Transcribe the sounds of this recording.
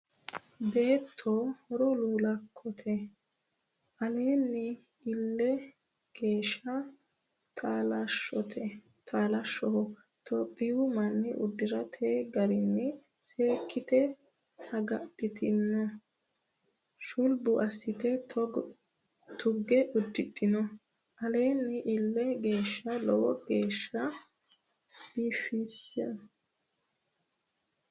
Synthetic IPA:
be̞ːt̪ʰːohɔɾɔluːlɐkʰːɔt̪ʰɛ | ʔɐleːnːɪ | ɪlːɛ | ɡ̥e̞ːʃːɐ | t̪ʰaːlɐɔt̪ʰɛ | t̪ʰaːlɐʃːɔhɔ | t̪ʰɔpʼːɪjʊmɐnːɪʔʊ̰d̪ːɪɾɐt̪ʰeɡɐɾɪnːɛ | seːkʰːɪt̪ɛ | hɐɡɐt̪ʼːɪt̪ʰɪnːɔ | ʃʊlbʊʔɐsːɪt̪ɛt | t̪ʊɡːɛʔʊd̪ːɪt̪ʼːɪnɔ | ʔɐleːnːɪʔɪlːɛɡe̞ːʃːɐlɔwɔɡeːʃːɐ | b̥iːfisɛ

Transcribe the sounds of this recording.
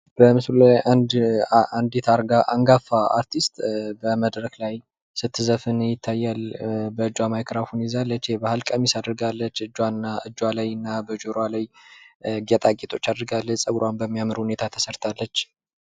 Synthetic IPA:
b̥əmɨsllajʔand̪ʔand̪it̪ʰaɾɡaʔa̰ŋɡafaa̰ɾt̪ʰist̪bəməd̪ɾəklaj | sɨt̪ʰːɨzəfɨnɨjɪt̪ʰːajːalbəɨd͡ʒːwamajkʰɾafunizalːət͡ʃːebahalkʼəmisad̪ɾɨɡalːət͡ʃːɨd͡ʒːwaaɨd͡ʒːwalajɨnːabəd͡ʒoɾwalaj | ɡɛt̪ʼakʼet̪ʰʼo̞t͡ʃːad̪ɾɡalːəsʼəɡɾwanbəmːijamɨɾɨhune̞t̪ʰat̪ʰə̥səɾt̪ʰalːət͡ʃː

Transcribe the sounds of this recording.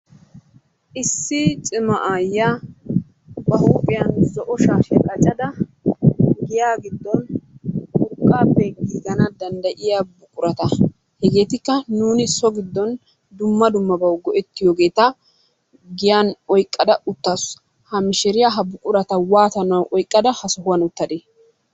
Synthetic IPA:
ʔɪsːɪt͡ʃʼɪmɐʔajːa | bɐhuːpʼɪjɐnzɔʔɔʃaːʃɛkʼɐt͡ʃʼːɐd̪ɐ | ɡɪjaːɡɪd̪ːɔnhʊkʼːaːpːɛɡiːɡɐnɐd̪ɐnd̪ɐʔɪjabʊkʼʊɾɐt̪ɐ | hɛɡe̞ːt̪ɪkːɐnuːnɪsɔɡɪd̪ːɔn | d̪ʊmːɐd̪ʊmːɐbɐwɡɔʔɛt̪ːɪjɔːɡe̞ːt̪ɐ | ɡɪjanɔjkʼːɐd̪ɐʊt̪ːasʊ̥ | hɐmɪʃɪɾɪjaɦɐbʊkʼʊɾɐt̪ɐwaːt̪ɐnɐwʔɔjkʼːɐd̪ɐhɐsɔhʊwɐnʊt̪ːɐd̪eː

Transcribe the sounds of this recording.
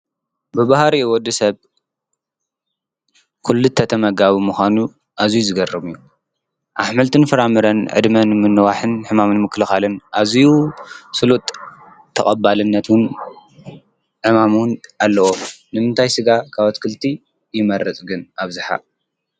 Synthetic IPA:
bɨbahɾiwɔd̪ːɨsɐβ | kʰulːut̪ʰːɐt̪ʰɐmɐɡaβimuxʷanu | ʔazijuzɨɡɐrɐβɨjːu | ʔaħmɐlt̪ʰɨnfɨɾamɨɾɐnʕɨ̰d̪mɐnmɨnːɨwaħɨnħɨmamɨnmɨkʰːlɨxalɨnʔazijusɨlut̪ʼʰː | ɐkʼɐbalɨnːɐt̪wʊn | ʕɨmamunalːɐwonɨmɨnt̪ʰajsɨɡakʰaβat̪kʰɨlt̪ʰi | jɪmɐɾɐt͡sʼɡɨnaβzɨħa̰

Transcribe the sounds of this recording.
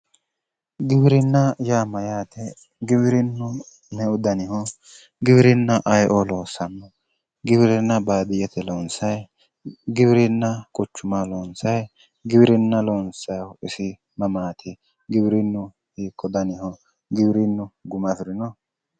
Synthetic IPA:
ɡɪbɪɾɪnːɐjaːmɐjaːt̪ɛ | ɡɪbɪɾɪnːʊ | nɛʊd̪ɐnɪhɔ | ɡɪbɪɾɪnːɐʔɐjʔolo̞ːsɐnːɔ | ɡɪbɪɾɪnːɐbaːd̪ɪjɛt̪ʰɛloːnsɐj | ɡɪbɾɪnːɐkʼʊt͡ʃːʊmaloːnsɐj | ɡɪbɪɾɪnːɐloːnsɐjɪsɪ | mɐmaːt̪ʰɪ | ɡɪbɪɾɪnːʊ | hiːkʰːɔd̪ɐnɪhɔ | ɡɪbɪɾɪnːʊɡʊmɐfɪɾɪnɔ

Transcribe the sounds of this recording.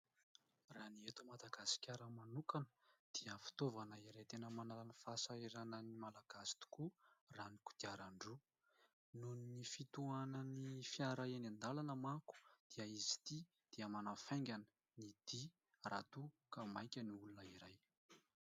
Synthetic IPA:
raniet̪umad̪aɡasi̥kʲaɾəmanukanə̥d̪̥iəfi̥t̪ovanəiɾajt̪enəmanalanifasaiɾanənimalaɡ̥asi̥t̪u̥kuraniku̥d̪̥iaɾaɳɖ͡ʐu | nuninifit̪uanənifjaɾaenand̪alanəmaku̥d̪̥iəizi̥t̪i | d̪̥iəmanafaŋɡʲanə̥ | nid̪̥i | rʔa̰t̪ukamajkʲəniulunəiɾaj

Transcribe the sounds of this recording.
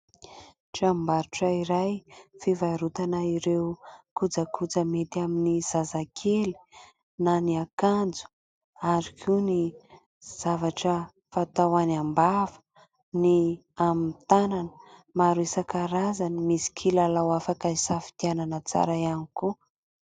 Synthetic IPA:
ʈ͡ʂambaɾuʈ͡ʂaiɾajfivajɾut̪anaiɾewkud͡zakʰud͡zəmet̪iaminiz̥azakʰeli̥ | naniakand͡zu̥ | aɾikʰuni | z̥avaʈ͡ʂə | fat̪awanambavə̥ | ni | amit̪ananə̥maɾuesakaɾazanimisi̥kʰilalawafakaisafi̥t̪iananət͡sa̰ɾajaniku

